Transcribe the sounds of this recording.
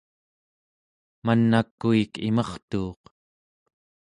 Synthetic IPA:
manːakːuikimʌχt̪uːq

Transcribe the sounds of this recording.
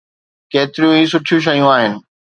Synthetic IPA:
keːt̪ɪɾɪjũĩːs̬ʊʈʰɪjũʃ̬ɐjũaːɦɪnɪ̆

